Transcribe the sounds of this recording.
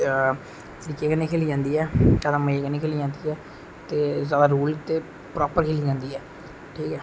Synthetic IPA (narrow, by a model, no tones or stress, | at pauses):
t̪əɾikːeːkəneːkʰeːliːd͡ʒãːnd̪iːɛːd͡ʒaːd̪ãməkəneːkʰeːliːd͡ʒãːnd̪iːɛː | t̪eːzaːd̪aːɾuːlt̪eː | pɾɔːpəɾkʰeːliːd͡ʒãːnd̪iːɛː | ʈʰiːkɛː